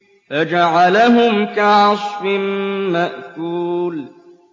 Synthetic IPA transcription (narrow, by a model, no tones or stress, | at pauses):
fad͡ʒaʕalaɦʊmkaʕsˤfɪmːaʔkuːl